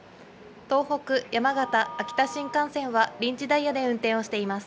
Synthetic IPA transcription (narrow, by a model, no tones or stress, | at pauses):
t̪o̞ːho̞kɯ̟jamaɡat̪aːkʲi̥t̪aɕĩŋkãɰ̃sẽ̞ɰ̃βaɾʲĩɲ̟t͡ɕid̪aiːad̪e̞ɯ̟̃nt̪ẽ̞ɰ̃o̞ɕi̥t̪e̞imasɨ̥